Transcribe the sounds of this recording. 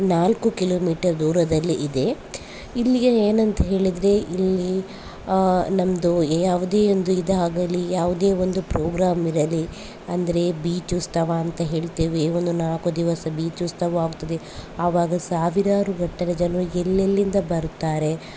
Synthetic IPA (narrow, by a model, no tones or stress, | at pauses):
naːlkukiloːmiːʈɐɾd̪uːɾɐd̪ɐlːiʔid̪e̞ | ilːiɡɐeːnɐnt̪ɐɦe̞ːɭid̪ɾe̞ʔilːi | nɐmɐd̪ujaːʋud̪e̞ːond̪uid̪eɦaːɡɐlːijaːʋud̪e̞ːond̪upɾoːɡɾaːmiɾɐli | ɐnd̪ɐɾe̞biːt͡ʃʋust̪ɐʋaːnt̪ɐɦe̞ːɭt̪eːʋeːʋond̪unaːkod̪iʋɐsɐbiːt͡ʃʋust̪ɐʋɐaːɡut̪ːɐd̪e | ɐʋaːɡɐsaːʋiɾaːɾuɡɐɳʈːɐɾɐd͡ʒɐnʋuɛlːelːind̪ɐbɐɾut̪ːaːɾe̞